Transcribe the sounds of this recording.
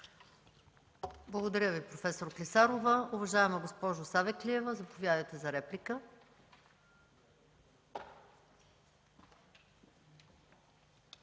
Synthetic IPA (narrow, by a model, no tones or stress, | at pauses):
blˠəɡod̪ɐɾʲəvipɾofɛsoɾklisaɾovəʊvɐʒaɛmɐɡospɔʒʊsavɛkliɛvəzɐpovʲjad̪əjt̪ɛzɐɾɛplikə